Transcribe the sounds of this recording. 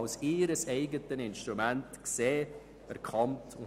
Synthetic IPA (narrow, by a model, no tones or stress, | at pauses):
ʊsiːɾəsɛɪɡətənɪnʃtɾumæntkseː | ɛɾkʰɑmtʰʊ